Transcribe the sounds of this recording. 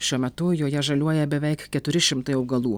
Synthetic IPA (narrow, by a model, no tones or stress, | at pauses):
ʃʲuɔmʲɛt̪ʊjoːjɛʒɐlʲuɔjɛbʲɛʋʲɛɪkkʲɛt̪ʊɾʲɪʃʲɪmt̪ɐɪɒʊɡɐlˠuː